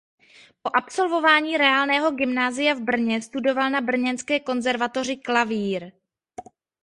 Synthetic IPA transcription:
po̞ʔapso̞lvo̞vaːɲiːɾɛaːlnɛːɦo̞ɡɪmnaːzɪjavbr̩ɲɛst̪udo̞valnabr̩ɲɛnskɛːko̞nzɛɾvat̪o̞r̝ɪklaviːɾ

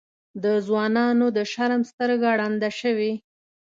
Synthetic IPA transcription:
d̪əzwɑnɑnod̪əʃaɾmst̪əɾɡaɽɑnd̪aʃəwi

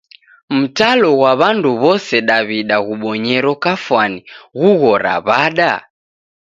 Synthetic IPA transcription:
m̩talɔɣwaβanduβɔsɛɗaβiɗaɣuɓɔɲɛɾɔkafwaniɣuɣɔɾa̰βaɗa

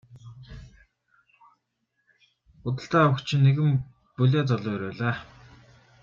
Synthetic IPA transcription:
ʊt̪̬ə̆ɬt̪aːawə̆kt͡ɕʰɪ̆nːeɣɘ̆m | puɮʲaːt͡sɔɮʊːɾoːɮaː

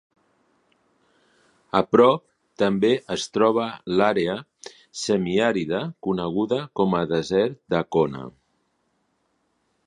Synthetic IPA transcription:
əpɾɔp̚ | t̪əmbeʔəst̪ɾɔβ̞əlaɾeə | səmiaɾiðəkunəɣ̞uðəkɔməðəzɛɾt̪̚d̪əkonə̰

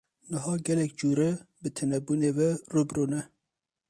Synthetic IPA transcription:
nɨɦɑːɡɛlɛkd͡ʒuːɾɛbɨt̪ʰɨnɛbuːneːwɛrubɾuːnɛ

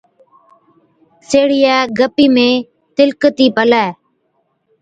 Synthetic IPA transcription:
seːɽɪjɛːɡəpiːmẽː | t̪ɪlkət̪iːpəlɛː

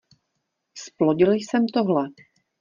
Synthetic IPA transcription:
sploɟɪlɪjsɛmt̪oɦlɛ

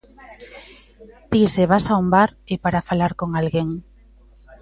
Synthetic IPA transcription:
t̪iseβasaumbaɾepaɾafalaɾkoŋalɣeŋ

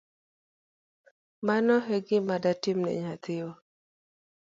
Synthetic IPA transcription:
manɔɦeɡɪmadatimnɛ̰ɲat̪ɪo

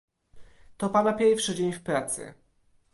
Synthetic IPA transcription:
t̪ɔpanapʲjɛɾfʂɘd͡ʑeɲfpɾat̪sɘ̰

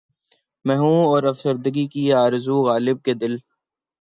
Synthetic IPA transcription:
mɛːɦũːɔːɾɐfsəɾd̪əɡikiaːɾzuɣaːlɪb̚ked̪ɪl

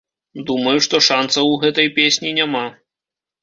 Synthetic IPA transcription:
d̪umɐjuʂt̪ɔʂant̪sɐwɣɛt̪ɐjpʲesʲnʲinʲama

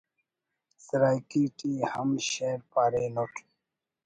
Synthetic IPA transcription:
sɾaːjkiʈihəmɕeɾpaːɾenoʈ

